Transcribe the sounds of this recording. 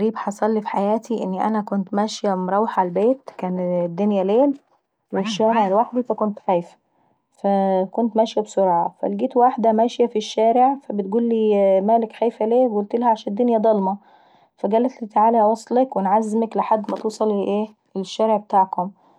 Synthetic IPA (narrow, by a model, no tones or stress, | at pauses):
ɾiːbħɑsˤɑlːifi̥ħajæːt̪ʰiʔenːiʔæ̰nækont̪mæʃjæmɾˤɑwħʕalbeːt̪kæːnd̪ːonjæleːl | weʃːæːmɑlwaħd̪ifækont̪xæːjfæ̥ | fækont̪mæʃjæbsoɾˤɑːʕɑfæ̰lɡiːt̪waħd̪æmæʃjæfiʃːæːɾeʕfæbet̪̚ɡuːlːiːmæːlekxæːjfæleːɡult̪elhæʕaʃæːnd̪ːonjæd̪ˤɑlmɑ | fæɡælːæt̪lit̪aʕaːlhæwɑsˤlɑkwenʕazːmækleħad̪ːmæt̪uːsˤɑliʔeː | lʃːæːɾeʕbet̪aːʕkom